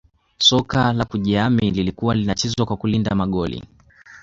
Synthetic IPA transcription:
sɔkalakuʄɛamililikuwalinat͡ʃɛzwakwakulindamaɠɔlḭ

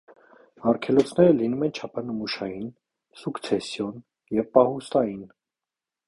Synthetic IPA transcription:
ɑrkʰɛlɔt͡sʰnɛɾəlinumɛnt͡ʃʰɑpʰɑnəmuʃɑjin | sukt͡sʰɛsjɔn | jɛvpɑhust̪ɑjin

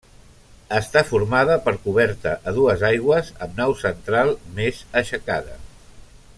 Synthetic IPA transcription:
əst̪afuɾmaðəpəɾkuβɛɾt̪əʔəðuəzajɣwəzəmnawsənt̪ɾalˠmezəʃəka̰ðə

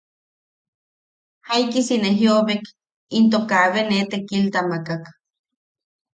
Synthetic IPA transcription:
haikisineɦjoβek | int̪okaβenet̪ekilt̪amakak

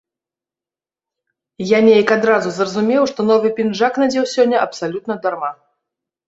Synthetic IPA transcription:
janʲejɐkad̪ɾazuzrɐzumʲɛwʂt̪ɔnɔvɨpʲinʐaknad͡zʲɛwsʲɔnʲːɐʔɐpsalʲut̪nɐd̪arma

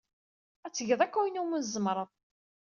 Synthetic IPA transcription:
æt͡sːəʝəðˤækːæjnumənzəmɾˤəðˤ

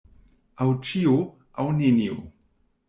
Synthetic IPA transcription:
awt͡ʃio | awninio̰

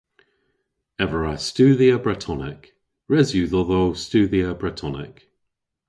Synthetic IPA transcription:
ɛvəɹastʉːðiəbɹɛtʰɔnɪk | ɹɛzjʉðəðowstʉːðiəbɹɛtʰɔnɪ̰k

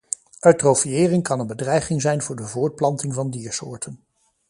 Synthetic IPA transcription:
ʔœɥtrowfiɪːrɪŋkɑnənbədrɛjχɪŋzɛjnvʊːɹdəvʊːɹt̚plɑntɪŋvɑndiːɹsʊ̰ːɹtən

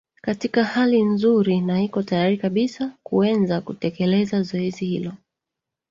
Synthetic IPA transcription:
katikahalinzuɾinahikɔtajaɾikaɓisakuɛnzakutɛkɛlɛzazɔɛzihḭlɔ

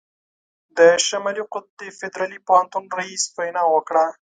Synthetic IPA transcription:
d̪əʃamaliqʊt̪̚d̪efɪd̪ɾɑlipʊhant̪unɾahisfajnɑwəkɽa

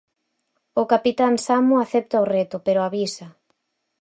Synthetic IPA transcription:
ʊkapit̪ansamʊaθɛp̚t̪aorɛt̪ʊpeɾʊaβisa

